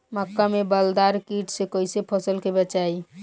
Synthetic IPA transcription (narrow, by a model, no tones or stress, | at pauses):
məkːamebəld̪aɾkiʈʰsẽkəjsepʰəsəlkebət͡ʃaj